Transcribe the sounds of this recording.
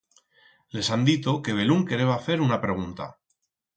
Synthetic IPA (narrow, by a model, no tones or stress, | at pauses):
le̞sand̪it̪oke̞β̞e̞luŋke̞ɾe̞βaθe̞ɾunapɾe̞ɣ̞unt̪a̰